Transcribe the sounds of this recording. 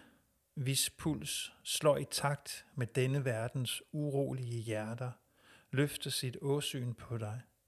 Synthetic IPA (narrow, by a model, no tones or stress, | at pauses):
ʋispʰul̰sːlɒ̰ːit͡sʰɑ̈ɡ̥̚d̥med̥enəʋæɐd̥n̩suʁo̝̰ːliəjæɐd̥ɐ | løfd̥ɐsid̥ɔ̽sy̰ːnpʰɒ̽d̥ɑ̈ɪ